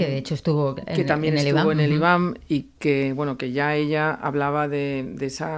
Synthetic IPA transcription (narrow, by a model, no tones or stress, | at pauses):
keðeet͡ʃoest̪uβoket̪ambjenesiβoeneliβamike̞βwe̞noke̞ʝae̞ʎaa̰βlaβ̞aðe̞d̪eesa